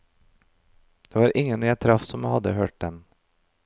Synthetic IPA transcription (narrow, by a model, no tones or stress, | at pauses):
d̪̥eːʋɑːɾʔɪŋənjæɪt̪ʰɾɑfsɔmhɑd̪ə̰høːʈ̚d̪ɛn